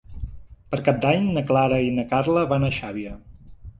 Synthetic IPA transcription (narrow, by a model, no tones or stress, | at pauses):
pəɾkap̚d̪aɲnəklaɾəinəkarləβanəʃaβiə